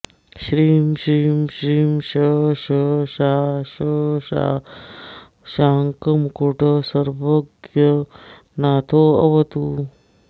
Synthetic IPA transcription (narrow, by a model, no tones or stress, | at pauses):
ʃɾiːmɕɾiːmɕɾiːmʃɐʃɐʃaːʃɐʃa̰ː | ʃaːŋkɐmkuʈɐsɐɾʋɐɡjɐ | naːt̪ʰoːɐ̰ʋɐt̪u